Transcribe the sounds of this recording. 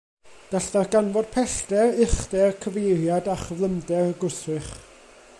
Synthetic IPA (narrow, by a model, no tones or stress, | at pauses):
ɡ̥aɬdarɡ̥anvɔd̥̚pʰɛɬd̥ɛrɪχdɛrkʰəvejɾjadaχəvlˠəmdɛrɡʊsɨχ